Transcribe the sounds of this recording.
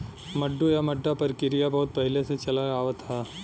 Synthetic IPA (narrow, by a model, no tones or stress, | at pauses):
mɐɖːujamɐɖːapɐɾkɪɾijabɐɦʊt̪̚pɐɦɪleset͡ʃɐlaaːʋət̪ʰa